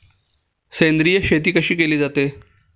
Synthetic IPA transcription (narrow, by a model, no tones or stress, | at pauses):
sejnd̪ɾijəɕet̪̬iːkəɕiːkeliːd͡zat̪e